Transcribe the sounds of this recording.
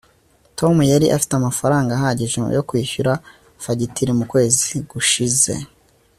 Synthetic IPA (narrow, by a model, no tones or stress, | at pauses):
tʰo̞mujaɾiʔafi̥teamafaɾaːŋɡaɦaɟiʒḛjokwiːçuɾa | faɟitiɾimukwe̞ːziɡ̥uʃize̞̰